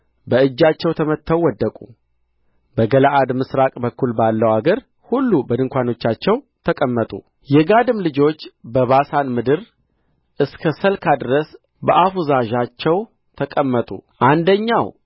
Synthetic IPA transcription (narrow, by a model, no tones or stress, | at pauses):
bəɨd͡ʒːat͡ʃːɛwt̪ʰəmət̪ʰːəwːɔd̪ːəkʼṵ | bəɡəlaʔad̪mɨsɾakʼbəkːulbalːəwaɡəɾ | hulːubəd̪ɨŋkʷano̞t͡ʃːat͡ʃːɛw | t̪ʰəkʼəmːət̪ʼṵ | jɛɡad̪ɨmlɨd͡ʒo̞t͡ʃːbəβasanmɨd̪ɨɾ | ʔɨskʰəsəlkʰad̪ɾəs | bəʔafuzaʒat͡ʃːɛw | t̪ʰəkʼəmːət̪ʼṵʔand̪əɲːaw